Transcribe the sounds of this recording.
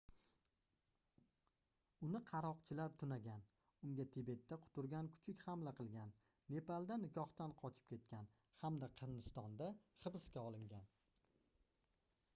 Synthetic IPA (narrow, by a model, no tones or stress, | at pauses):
ʊnɪqʰɑɾɒqt͡ʃʰɪlaɾt̪ʰʊnaɡʲan | ʊŋɡʲat̪ʰɪbe̞t̪ːaqʰʊ̥t̪ʊɾɡʲankʰʊ̥t͡ʃʰɪkʲhamlaqʰɨlˠɡʲanː | e̞palˠd̪anɪkʰʲɒht̪anqʰɒt͡ʃʰɪ̥p̚kʲʰe̞t̪̚kʲan | hamd̪aqʰɨnd̪ɪst̪ɒnd̪aχɨbɪskʲaɒlˠɪŋɡʲan